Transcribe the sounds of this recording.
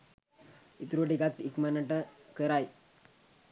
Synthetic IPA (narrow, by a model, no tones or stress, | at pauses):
it̪ɾuʈikat̪ikmənəʈəkəɾaj